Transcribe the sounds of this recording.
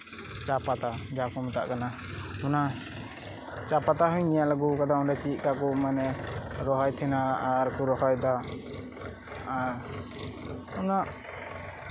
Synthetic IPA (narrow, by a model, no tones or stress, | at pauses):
t͡ʃapat̪ad͡ʒakɔmɛt̪a̰ʔkana | huna | t͡ʃapat̪aɦujnijaʔlaɡɔkad̪aɔnɾat͡ʃit̪̚ˀkakɔmanɛɾɔɦɔjt̪ʰɛnaːɾkuɾɔhɔjd̪a | aɾ | huna